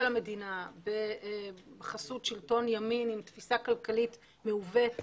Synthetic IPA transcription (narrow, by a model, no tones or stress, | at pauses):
lame̞dinabe | bχasut̪ʃilto̞njaminimtfisakalkalit | meuvet